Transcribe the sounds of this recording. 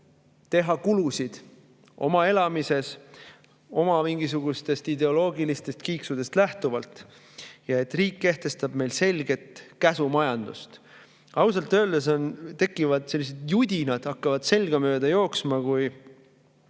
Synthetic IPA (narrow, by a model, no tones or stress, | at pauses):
t̪e̞ɦɑkulusid̪̥ | ʔo̞̰mɑe̞lɑmise̞s | o̞mɑmiŋɡisuɡ̥ust̪e̞st̪id̪e̞o̞lo̞ːɡilist̪e̞st̪kiːksud̪̥e̞st̪læht̪uvɑlt̪ | jɑe̞t̪ːriːkːe̞ht̪e̞st̪ɑb̥me̞jlse̞lʲɡ̥e̞t̪kæsumɑjɑnd̪̥ṵst̪ | ɑws̬ɑlt̪ːˑø̞ːld̪̥es̬o̞nt̪e̞kːˑivɑd̪̥se̞lːis̬e̞d̪̥jud̪̥ʲinɑd̪̥ɑkːɑvɑd̪̥se̞lɡ̥ɑmø̞ːd̪̥ɑjo̞ːksmɑkuj